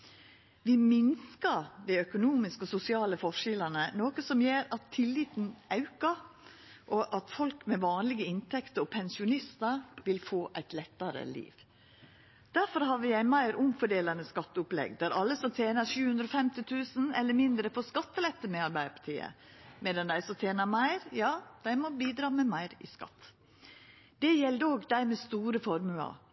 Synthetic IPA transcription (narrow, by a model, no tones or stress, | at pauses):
ʋɪmɪnskɑɾd̪æœkʊnuːmɪskɔsʊsɪɑːləfɔʂɪlɑnənoːkəsɔmjeːɾɑt̪ʰːɪlːiːt̪n̩ʔɑʉkɑ | ʔɔʔɑt̪fɔlkmɛʋɑːnlɪɡəɪnt̪ʰɛkt̪əɾɔpʰɛnsɪʊnɪst̪əɾʋɪlfoːʔæɪt̪lɛt̪ːɑɾə̰lḭːʋ | d̪̥æɾfɔɾɦɑʋɪjæɪmæɪɾʊmfɔɖeːlɑnəskɑt̪ːʊplɛ̰ɡd̪æɾɑlːəsɔmt̪ʰjeːnɑɾʃʉːhʉnd̪ɾɔːfɛmt̪ɪt̪ʰʉːsn̩ɛlːəɾmɪnd̪ɾəfoːskɑt̪ːəlɛt̪ːəmɛɑɾbæɪəpʰɑ̥t̪ʰḭːə̰ | meːd̪ɑnd̪æɪsɔt̪ʰjeːnɑmæɪɾjɑːd̪̥æɪmɔbiːd̪ɾɑːmɛmæɪɾɪ̰skɑ̰t̪ː | d̪̥ɛjɛld̪əoːɡd̪æɪmɛst̪uːɾəfɔɾmʉɑ̰